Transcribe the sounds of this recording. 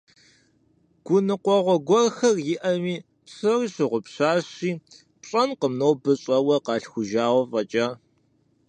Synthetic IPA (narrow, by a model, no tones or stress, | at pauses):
ɡ̥ʷʊnɨqʷɔʁʷɔɡʷɔrxɐrjɪʔɐmiː | pɕɨriːɕɪʁʷʊpɕaːɕiː | pɕʼɐnqəmnowbɨɕʼɐwɐqɑːɬxʷʊʒaːwʷɔfʼɐt͡ʃʼaː